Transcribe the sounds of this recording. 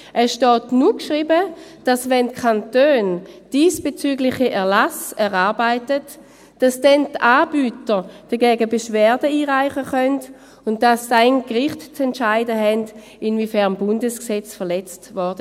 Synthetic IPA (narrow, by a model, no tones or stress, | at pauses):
ʔɛsʃtɔːtnukʃʁiːbəd̥asvɛntkʰantøːnd̥iːsb̥et͡syːɡlɪχiʔɛɐlasɛʁaɐbaɪtət | d̥asd̥ɛntaːbyːtəd̥ɐɡɛːɡəbeʃvɛːɐdəiːʁaɪχəχœnt | ʊnt̚d̥assaɪnɡʁɪχtt͡sɛntʃaɪdəɦɛnd | ɪnvifɛɐmbʊndəsksɛt͡sfəɐlɛt͡stvɔɐd̥ə